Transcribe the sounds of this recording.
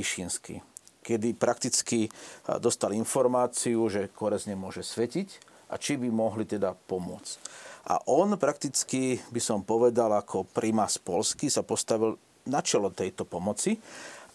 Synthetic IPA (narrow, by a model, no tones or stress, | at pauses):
iʃinskḭkɛd̪ipɾʔak̚t̪it͡skid̪ɔst̪alinfɔɾmaːt͡siuʒɛkɔɾɛzɲɛmʊɔʒɛsʋɛcic | ʔa̰t͡ʃibimɔɦlit̪ɛd̪apɔmʊɔ̰t͡scʔa̰ʔɔnpɾakt̪it͡skibisɔmpɔʋɛd̪alakʰɔpɾimaspɔlskisapɔst̪aʋil | nat͡ʃɛlɔt̪ɛjt̪ɔpɔmɔt͡si